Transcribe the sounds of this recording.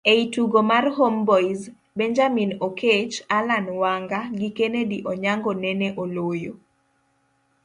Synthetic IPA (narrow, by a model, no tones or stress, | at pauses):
eituɡomarɦombɔiz | bɛɲd͡ʒaminokʰet͡ʃalanwaŋɡaɡikenediʔɔɲaŋɡonɛnɛʔolojo